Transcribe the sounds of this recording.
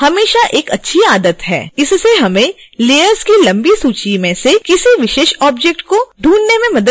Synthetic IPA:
hɐmeːʃaʔeːkɐtːʃʰiaːd̪ət̪ɦɛ̰ːɪsːeɦɐmẽleːəɾzkilɐ̃mbisuːt͡ʃimẽsekɪsiʋɪʃeːʃɔːbd͡ʒɛk̚ʈ̚koɖʱuːnːemẽmɐd̪ə

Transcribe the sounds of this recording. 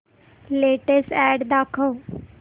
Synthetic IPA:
leːʈesʈɛːɖd̪aːkʰoː

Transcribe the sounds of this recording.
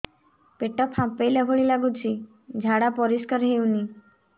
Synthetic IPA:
peʈɔpʰhãpejlabʱɔɭilaɡut͡ɕi | d͡ʒʱaɽapɔɾiskəɾɦewni

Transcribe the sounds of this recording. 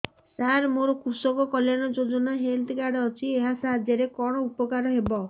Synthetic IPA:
saɾmoɾɔkusɔkɔkɔljanɔd͡ʒod͡ʒɔnaɦeld̪kaɽːt͡ʃʰieɦasaɦad̪jɔɾekɔɽ̃ɔupɔkaɾɔɦebɔ

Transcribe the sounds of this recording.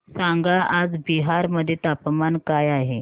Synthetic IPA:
sãŋɡaʔad͡zbiɦaɾməd̪ʱːjet̪apmankajaɦe

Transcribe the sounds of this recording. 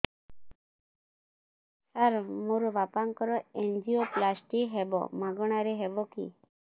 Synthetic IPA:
saɾmoɾɔʋapaŋkɔɾɔend͡ʒioplasʈiɦebɔ̰mãɡɔɽ̃aɾɛɦɛbɔkḭ

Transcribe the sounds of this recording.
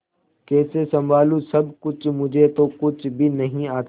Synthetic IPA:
kɛːsesɐ̃mbʱaːlũsɐbkʊt͡ʃʰmʊd͡ʒʱet̪okʊt͡ʃʰbʱinɐɦĩaːt̪

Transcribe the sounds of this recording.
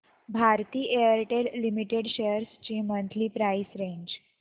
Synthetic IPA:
bʱaɾt̪iːʔejəɾʈelːimiʈeɽɕejəɾst͡ɕiːmənt̪ʰliːpɾajsɾẽɲd͡ʑ

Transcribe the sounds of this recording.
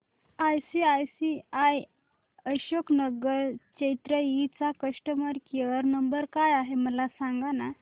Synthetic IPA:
ajsiajsiaj | əɕoknəɡəɾt͡ɕejt̪ɾəit͡sakəʂʈəməɾkeʋəɾnəmbəɾkajaɦeməlasaŋɡana

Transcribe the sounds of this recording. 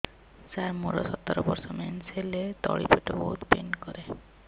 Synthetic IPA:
saɾmuɾɔsɔt̪ɔɾɔbɔɾsɔmɛnselet̪ɔɭipʰɔjʈɔbɔɦut̪penkɔɾe

